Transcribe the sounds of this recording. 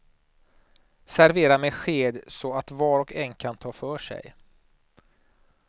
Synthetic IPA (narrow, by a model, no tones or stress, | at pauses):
sæɾveːɾameːɧeːd̪sɔat̪vɑːɾɔkɛnːkʰant̪ʰɑːfœːʂɛ̰j